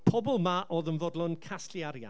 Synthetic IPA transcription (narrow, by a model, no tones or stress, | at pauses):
pʰɔbɔlˠmaʔoːðənvɔdlˠɔnkʰasliaɾja̰